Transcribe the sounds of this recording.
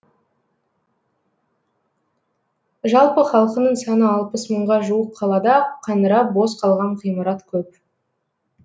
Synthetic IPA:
ʒɑlˠpəχɑlˠqənəɴsɑnəɑlˠpəsməɴʁɑʒuəqqʰːɑlˠɑd̪ɑqʰɑnəɾɑpbo̞sqʰɑlˠʁɑɴqʰijmɑɾɑt̪kʲʰɵp

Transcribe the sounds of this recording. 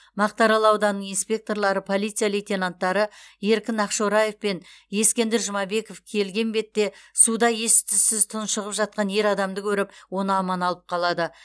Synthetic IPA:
mɑq̚t̪ɑɾɑlˠɑwd̪ɑnəɴinspʲe̞k̚t̪o̞ɾlˠɑɾəpʰo̞lijt̪sɨijalejt̪ʲe̞nant̪ːɑɾəje̞ɾkʲɪnɑqʃoɾɑje̞fpe̞nje̞skʲe̞nd̪eɾʒʊmɑbe̞ko̞fkʲʰe̞lɡʲe̞nbe̞t̪ːe̞sud̪ɑje̞st̪ɪsɪzt̪ʰʊnʃəʁəpʒɑt̪̚qɑnje̞ɾɑd̪ɑmd̪əkʲʰɵɾɪpwo̞nəɑmɑnɑlˠəp̚qʰɑlˠɑd̪ə

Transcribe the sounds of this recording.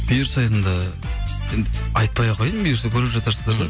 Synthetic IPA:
b̥ejɾsɑj̪ənd̪ɑ | end̪ɪɑjt̪̚pɑjɑʁʰɑjənbejɾsekʲʰɵɾɪpʒɑt̪ɑɾsəzd̪ɑɾd̪ɑ

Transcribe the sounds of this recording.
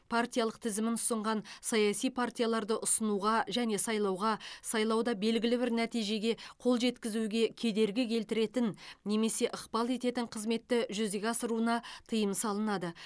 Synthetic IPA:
pʰart̪ʲijalˠəqt̪ʰɪzɪmɪnʊ̥səɴʁɑnsɑjɑsijpʰart̪ʲijalˠɑɾd̪əʔʊsənuʁɑʒæne̞sɑjlˠɑwʁɑsɑjlˠɑwd̪ɑbe̞lɡʲɪlɪbɪɾnæt̪ijʒe̞ɡʲe̞qʰo̞lˠʒe̞t̪kʲɪzuɡʲe̞kʲʰe̞d̪e̞ɾɡʲɪkʲʰe̞lt̪ɪɾe̞t̪ɪnːe̞me̞se̞ʔəqpɑlˠe̞t̪e̞t̪ɪɴqʰəzme̞t̪ːɪʒʏzɡʲeɑsəɾuənɑt̪ʰəjəmsɑlˠənɑd̪ə

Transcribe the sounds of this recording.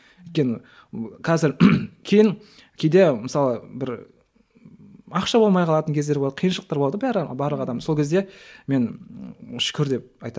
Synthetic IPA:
ʏjt̪̚kʲe̞nɪ | qʰɑzɪɾkʲʰe̞jɪŋ | kʲʰejd̪e̞mɪsɑlˠəbɪɾ | ɑqʃɑbo̞lˠmɑjqʰɑlˠɑt̪əŋkʲʰe̞zd̪eb̪ɑd̪əqʰijnʃəəq̚t̪ɑɾb̪ˠɑd̪əbæɾbɑɾlˠəqɑd̪ɑmsokʲezd̪e̞me̞n | ʃʏ̥kʲɪɾd̪e̞p̚ɑjt̪ɑ

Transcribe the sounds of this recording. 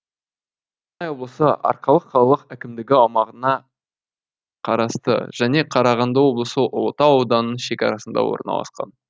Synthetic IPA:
nɑjwo̞blˠəsəʔɑ̰ɾqɑlˠəqʰːɑlˠɑlˠəqækʲɪmd̪ɪɡʲɪɑwmɑʁənɑ | qʰɑɾɑst̪ə̰ʒ̥æne̞qʰɑɾɑʁɑnd̪ɑwo̞blˠəsəʔt̪ɑːwd̪ɑnəʃe̞kʲɑɾɑsənd̪ɑ̰wo̞̰ɾənɑ̰lˠɑ̰sqɑ̰n

